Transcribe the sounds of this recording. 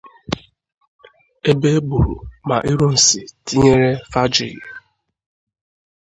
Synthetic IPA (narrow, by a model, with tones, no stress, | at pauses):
e˦be˦e˦bu˨ɾṵ˨ma̰˨ʔi˦ɾo˦n̩˨si˨ti˦ɲe˦ɾe˦fa˦d͡ʒɪ̰˨ḭ˨